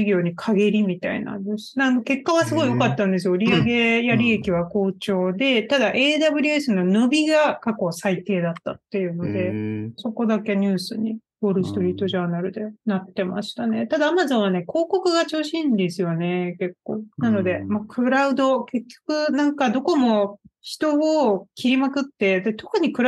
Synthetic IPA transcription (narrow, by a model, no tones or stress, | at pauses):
iɡʲo̞ːɲ̟ikʰaɡe̞ɾʲimʲit̪aḭna̰nd̪esɨ̥nanoke̞kːaβasɨɡo̞ijokat̪ːãnd̪e̞s̬ɨjo̞ɾʲiaɡe̞jaɾʲie̞kʲiβ̞ako̞ːt͡ɕo̞ːd̪e̞t̪ad̪aʔe̞ːd̪abɯ̟ɾʲiesɨno̞nobʲiɡakako̞sait̪e̞ːd̪at̪ːat̪ːe̞jɯ̟ːno̞d̪e̞so̞ko̞d̪ake̞ɲ̟ɨ̟ːsɨɲ̟i | bo̞ɾɯ̟sɨ̥t̪oɾʲiːt̪ːo̞ʑaːnaɾɯ̟d̪e̞nat̪ːe̞ma̰ɕi̥t̪ane̞t̪ad̪aːmazõ̞ɰ̃βane̞ko̞ːko̞kɯ̟ɡat͡ɕɨːɕĩnd̪e̞sɨjo̞ne̞ke̞kːo̞ːnano̞d̪e̞makʰɯ̟ɾaɯ̟d̪o̞ke̞kʲːo̞̥kɯ̟nãŋkad̪o̞ko̞mo̞çi̥t̪o̞okʲʰiɾʲimakɯ̟t̪ːe̞d̪e̞t̪o̞kɯ̟ɲ̟ikɯ̟ɾ